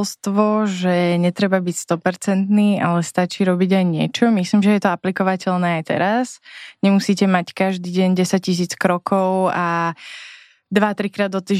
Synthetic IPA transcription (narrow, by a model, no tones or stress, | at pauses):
lst̪ʋɔʒɛɲɛt̪ɾɛbabicst̪ɔpɛɾt͡sɛnt̪niːʔalɛst̪at͡ʃiːɾɔbiɟajɲɪɛ̰t͡ʃɔmisliːmʒɛjɛt̪ɔaplikɔʋacɛlnɛːajt̪ɛ̰ɾasɲɛmusiːcɛmackaʒd̪iːɟɛɲɟɛsaccis̬iːt͡skɾɔkʰɔʊa | d̪ʋat̪ɾikɾaːd̪ɔt̪iːʒ